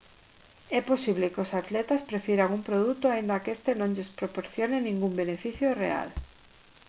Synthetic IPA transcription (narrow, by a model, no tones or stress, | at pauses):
ɛposiβ̞lekosat̪let̪aspɾefjeɾaŋumpɾoð̞ut̪oaind̪akest̪enõŋʎespɾopoɾθjonenĩŋɡumbenefiθjorḛa̰l